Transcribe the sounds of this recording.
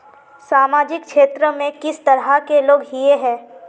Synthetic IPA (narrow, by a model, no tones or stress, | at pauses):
saːmaːd͡ʒɪkkʃeːt̪ɾəmẽkɪst̪ɐɾɦakeloːɡɦieɦɛ̃ː